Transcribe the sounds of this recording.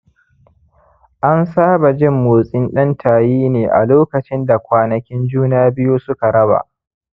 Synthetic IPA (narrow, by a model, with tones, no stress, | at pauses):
ʔa˦nsaː˦ba˨d͡ʒɪ˦mːoː˨sʼɪ˦nɗɐ˦ntʰaː˨jiː˦neː˨ʔa̰˨loː˦kɐ˨t͡ʃɪ˦nda˨kʷaː˨nɐ˨kʲɪ˦nd͡ʒuː˦naː˦bɪ˦ju˦sʊ˦ka˨ɽɐ˦ba̰˨ʔ